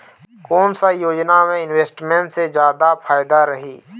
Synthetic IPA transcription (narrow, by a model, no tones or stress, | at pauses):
kɔːnsajoːd͡ʒnamẽɪnweːsʈmẽɳʈsed͡ʒjaːd̪apʰaːɪd̪aɾəɦiː